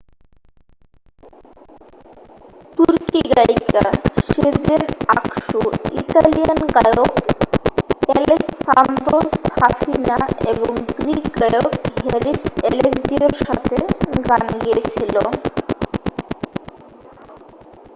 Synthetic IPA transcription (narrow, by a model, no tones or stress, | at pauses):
t̪uɾkiɡaikaɕed͡zenakʂuḭt̪alijankajɔk | elesːand̪ɾosafinaebɔŋɡɾikɡajɔkɦeɾiselekd͡ʑiɔɾsa̰t̪ʰeɡanɡet͡ɕʰilɔ